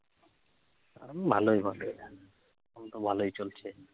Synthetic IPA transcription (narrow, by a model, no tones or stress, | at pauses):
bʱalojbʱabe | ɔmt̪obʱalojt͡ɕolt͡ɕʰe